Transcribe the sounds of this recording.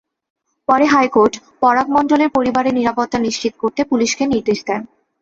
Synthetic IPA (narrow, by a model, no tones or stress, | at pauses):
pɔɾeɦajkoɾʈ | pɔɾak̚mɔnɖoleɾpoɾibaɾeɾniɾapot̪ːaniʃt͡ɕit̪koɾt̪epuliʃkeniɾd̪eʃd̪ɛn